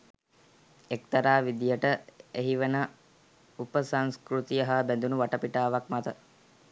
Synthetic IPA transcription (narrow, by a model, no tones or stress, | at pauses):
ekt̪ɐɾaːʋid̪ijəʈəeɦiʋenə | upəsaŋskɾut̪ijəɦaːbænd̪unuʋaʈəpiʈaːʋakmat̪ə